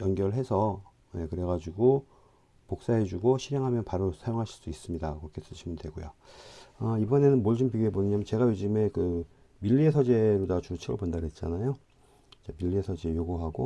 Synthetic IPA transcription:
jʌnɡjʌɾɯɭɦe̞sʰʌ | je̞kɯɾe̞ɡad͡ʑiɡo | pok̚s͈aɦe̞d͡ʑuɡoɕʰiɾeŋɦamjʌnpaɾosʰajoŋɦaɕʰi̥ɭs͈uis͈ɯmɲidakɯɾʌkʰes͈ɯɕʰimɯndwe̞ɡojo | ʌibʌne̞nɯnmoɭd͡ʑimpiɡieboɲeɲamjʌnt͡ɕe̞ɡajod͡ʑime̞kɯ | miʎːiesʰʌd͡ʑe̞ɾodat͡ɕut͡ɕʰiɡɯ̰ɭpondaɾet̚t͡ɕ͈a̰najo | t͡ɕemiʎːiesʰʌd͡ʑejoɡuɦaɡo

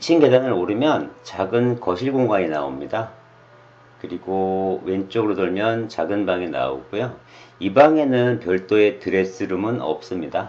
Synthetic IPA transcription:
it͡ɕʰinɡe̞danɯɾoɾɯmjʌnt͡ɕaɡɯnkʌɕʰiɭɡoŋɡaŋinao̰mɲida | kɯɾiɡowe̞nt͡ɕ͈oɡɯɾodɯɭmjʌnt͡ɕaɡɯnbaŋena̰o̰ɡujo | ibaŋe̞nɯnpjʌɭt͈oe̞tɯɾe̞s͈ɯɾɯmɯnʌ̰p̚s͈ɯmɲida

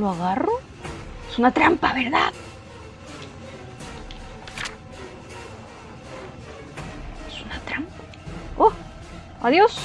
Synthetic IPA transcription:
oaɣaro | esunat̪ɾampaβeɾða̰ð | esunat̪ɾampḁ | o | aðjos

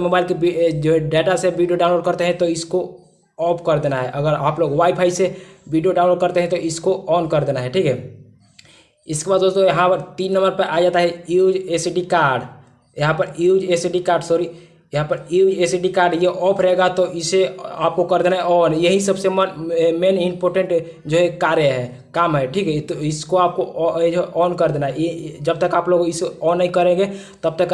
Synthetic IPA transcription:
mobaɪlkebid͡ʒoɖɛʈasebiɖijoɖawnloɖ̚kəɾt̪eɦɛ̃t̪ɔisko | ɔpʰkəɾd̪enaɦɛʔəɡəɾaːploɡwaipʰaisebiɖijoɖaʊ̃nloɖ̚kəɾt̪eɦɛ̃t̪ɔʔiskoɔnkəɾd̪enaɦɛʈʰikɦɛ | ɪskebad̪d̪ost̪ojəɦãpəɾt̪inːəmbəɾpəʔad͡ʒat̪aɦɛud͡ʒesiɖikaɾɖ | jəɦãpəɾud͡ʒesiɖikaːɾɖsoɾi | jəɦãpəɾid͡ʒesiɖikaɾɖjeʔɔpʰɾɛɡat̪ɔʔiseap̚kokəɾd̪enaɛɔnjəɦisəbsemmenimpoɾʈə̃ɳʈ | d͡ʒoɦekaɾjəɦɛ | kamɦɛʈʰikɦɛt̪oiskoap̚kod͡ʒoʔɔnkəɾd̪enaɛd͡ʒəb̚t̪əkaːploɡoiseɔnəikəɾẽɡe | t̪əb̚t̪ək

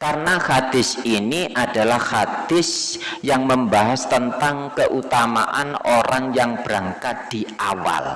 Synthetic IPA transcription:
karnaxad̪̥ɪsiniʔadalahhad̪̥ɪsjaŋməmbaɦast̪ənt̪aŋkəʔut̪ama̰ʔanoɾaŋjaŋb̥ɾaŋkat̪̚d̥iawa̰l

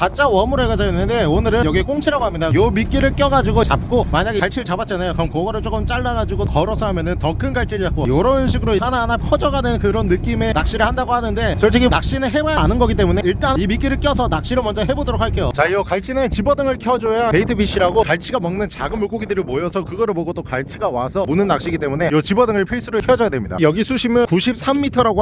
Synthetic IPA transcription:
kat͡ɕ͈awʌmuɾoɦeɡad͡ʑainːɯnde̞onɯɾɯnjʌɡiɦe̞k͈oŋt͡ɕʰiɾaɡoɦamɲidajomik͈iɾɯɭk͈jʌɡad͡ʑiɡot͡ɕap̚k͈omaɲaɡeaɭt͡ɕʰiɾɯɭt͡ɕabat͡ɕ͈anajokɯɾʌmkʌɡʌɾɯɭt͡ɕ͈ok͈ɯmt͡ɕ͈aɭːaɣad͡ʑiɡokʌɾʌsʰʌɦamjʌnɯntʌkʰɯnɡaɭt͡ɕʰiɾɯd͡ʑak͈o̰joɾʌunɕʰiɡɯɾoisananakʰʌd͡ʑʌɡanɯnkɯɾʌnːɯk͈ime̞nak̚ɕ͈iɾɯɭhandaɡohanɯnde̞sʰʌɭt͡ɕ͈ekʰinak̚ɕ͈inɯɦe̞majaːnɯnɡʌɡit͈e̞mune̞iɭt͈animik͈iɾɯɭk͈jʌs̬ʰʌnak̚ɕ͈iɾɯɭmʌnd͡ʑʌɦe̞bodoɾok̚ʰaɭk͈ʰe̞jot͡ɕaiʌkaɭt͡ɕ͈ʰinet͡ɕibʌdɯŋɯɭkʰjʌd͡ʑojapeitʰɯpʰiɕ͈iɾaɡokaɭt͡ɕʰiɡamʌŋnɯnt͡ɕaɡɯmɯɭk͈oɡidɯɾimojʌsʰʌkɯɡʌɾɯɭboɡot͈okaɭt͡ɕʰiɡawasʰʌmonɯnːak̚ɕ͈iɡit͈emune̞jʌt͡ɕibʌdɯŋɯɭpʰiɭs͈uɾɯɭkʰjʌd͡ʑʌjadwemɲida̰jʌɡisʰuɕʰimɯkuɕʰip̚sʰamːitʰʌɾaɡo

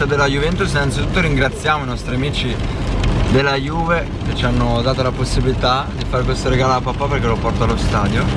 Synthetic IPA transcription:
ad̪elːajuvɛnt̪us̬inant̪sit̪ut̪ːoɾiŋɡɾat̪sːjaːmoinɔst̪ɾiamiːt͡ʃi | d̪elːajuːve | k̟et͡ʃːianːod̪aːt̪olaposːibilit̪ad̪ifaːɾek̬west̪oɾeɡaːloapːapːaperk̟elopɔrt̪alost̪aːd̪jo

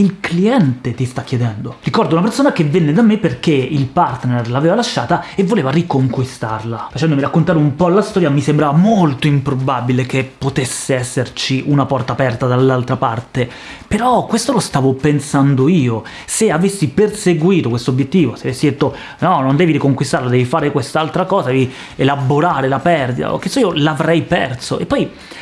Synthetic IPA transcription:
ilkliɛnt̪et̪ist̪akːjed̪ɛnd̪orikɔrd̪ounapersoːnakevːenːed̪amːepːerk̟eilpart̪nerlaːveːvalaʃːa̰ːt̪aevːoleːvarikoŋkwist̪arlafat͡ʃɛnd̪omiɾakːont̪aːɾeumpɔlast̪ɔːɾjamisembɾaːvamolt̪oimpɾobabilek̟epːot̪esːeɛsːert͡ʃiʔunapɔrt̪aːpɛrt̪ad̪alːalt̪ɾapart̪e | peɾɔkːwest̪olost̪aːvopensand̪oiːo | seavesːiperseɡwiːt̪okwest̪oːbjet̪ːiːvoseavesːid̪et̪ːo | nɔnond̪ɛːviɾikoŋkwist̪aɾrlad̪ɛːvifaːɾekwest̪aalt̪ɾakɔːzad̪ɛvi | elaboɾaːɾelapɛrd̪id̪a̰o̰k̟ːesoiːolavɾɛjpɛ̰rt̪soepːɔj

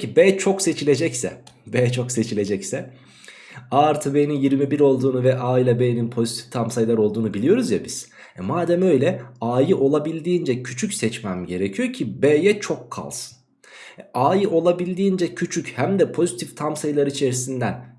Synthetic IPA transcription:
cʰibɛːt͡ʃʰo̞kse̞t͡ʃʰilʲe̞d͡ʒɛcsɛ̰beːt͡ʃʰo̞kse̞t͡ʃʰilʲe̞d͡ʒɛcsɛ | aɾt̪ʰɯbeːninjiɾmibiɾo̞lˠd̪uːnuvɛʔaːilʲˠabeːninpʰo̞zit̪ʰi̥ft̪ʰamsajlˠaɾo̞lˠd̪uːnubilʲijo̞ɾuzjabiz̥ | ɛmaːd̪æmø̞jlʲɛaːjɯʔo̞lˠabilʲd̪iːnd͡ʒɛcʰyt͡ʃʰycsɛt͡ʃmæmɟe̞ɾecʰijocʰibeːjɛt͡ʃʰo̞kːʰa̰lˠsɯ̥n | aːjɯʔo̞lˠabilʲd̪iːnd͡ʒɛcʰyt͡ʃʰychæmd̪ɛpʰo̞zit̪ʰift̪ʰamsajilˠaɾit͡ʃʰe̞ɾisind̪æn

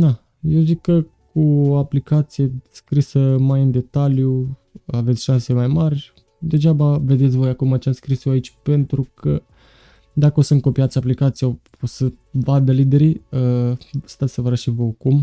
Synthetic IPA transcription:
d̪a | jewʒid̪̚kə | kuoaplikat̪sije̞skɾisəmajɨnd̪e̞t̪alju | avet̪sʲʃanse̞majmarʲ | d̪e̞ʒabave̞d̪e̞t̪sʲvo̞jakumat͡ʃaskɾisjoait͡ʃʲpe̞nt̪ɾukʰə | d̪akəo̞sənŋko̞piat̪sʲaplikat̪sija | osə | vad̪əlid̪e̞ɾiəst̪at̪sevəɾaʃivokum

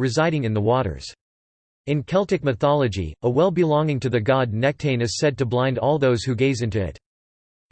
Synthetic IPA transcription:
ɹɨzaɪɾɪ̃ŋɨ̃nðəwɔɾə̰˞z̥ | ɨ̃nkʰɛlˠtɨk̚mɨθɑlˠəd͡ʒḭəwɛlˠbɨlɔ̃ŋɪ̃ŋtʰɨðɨɡɑdⁿnɛk̚tʰẽɪ̃nɨz̥sɛd̚tɨblãɪ̃ndɔlˠðoʊz̥hʉɡeɪzɪ̃ntʉɪ̰t

